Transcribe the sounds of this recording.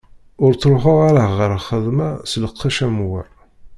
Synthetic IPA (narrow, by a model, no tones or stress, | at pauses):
ʊɾt͡sːɾˤʊħʊʁaɾaʁəɾχəðˤmæsləqʰːiʃæmwə̰ɾ